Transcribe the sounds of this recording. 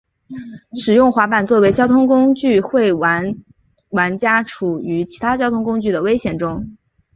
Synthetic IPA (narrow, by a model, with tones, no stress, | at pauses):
ʂɻ̩˨˩jʊ˥˩ŋxwa˧˥pa˨˩nt͡swɔ˥˩we˧˥ɪt͡ɕjɑ˥ʊt̪ʰʊ˥ŋkʊ˥ŋt͡ɕy˥˧xwe˥˩ɪwa˧˥n | wa˧˥nt͡ɕja˥ʈ͡ʂʰu˨˩y˧˥t͡ɕʰi˧˥t̪ʰa˥t͡ɕjɑ˥ʊt̪ʰʊ˥ŋkʊ˥ŋt͡ɕy˥˩d̪ə˩we˥ɪɕjɛ˨˩nʈ͡ʂʊ˥ŋ